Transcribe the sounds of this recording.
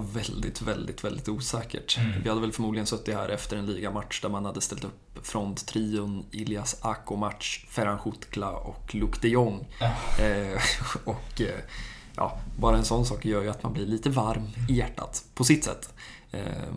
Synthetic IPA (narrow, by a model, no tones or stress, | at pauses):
vɛld̪ɪt̪vɛld̪ɪt̪vɛld̪ɪt̪uːsɛːkə̰ʈvɪhad̪ːəvɛlfœɾmuːd̪lɪɡənsœt̪ːɪhæ̰ːɾʔɛft̪əɾɛnliːɡamatʂd̪æɾmanhad̪ːəst̪ɛlt̪ɵpfɾɔnt̪t̪ʰːɾiːʊnɪlɪasakʊmat̪ʂfɛɾanɧʊt̪kʰlaɔ̰klɵkt̪ɛjɔŋː | ɔk | jʔɑ̰ːbɑːɾaɛnsɔnːsɑːkjœːjɵat̪manblɪɭiːt̪əvaɾmɪjæʈːa̰t̪pʰɔsɪt̪ːsɛ̰t̪ː